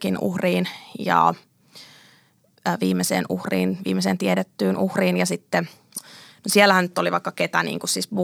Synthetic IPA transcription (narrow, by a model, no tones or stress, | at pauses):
kinṵhriːnjɑ̰ | ʋiːmːesḛːnṵhrḭːnʋḭːmːeseːnt̪ieɾet̪ːyːnuhriːnjɑsit̪ːe | nosielːæhænnyt̪ːoliʋɑikːɑket̪ænḭːŋkussisbu